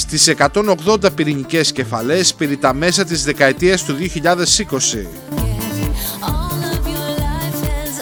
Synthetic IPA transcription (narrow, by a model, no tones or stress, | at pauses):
st̪ise̞kɐt̪o̞no̞ɣðo̞nd̪ɐpiɾiɲice̞sce̞fɐle̞spe̞ɾit̪ɐme̞s̬ɐt̪izðe̞kɐe̞t̪iɐst̪uðio̞çiʎɐðe̞siko̞sḭ | vl